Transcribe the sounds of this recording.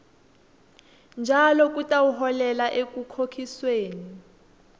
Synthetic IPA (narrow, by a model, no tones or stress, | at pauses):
nd͡ʒʱalɔk̬ʼutʼawuɦɔlɛlaʔek̬ʼukʰokʰisweːni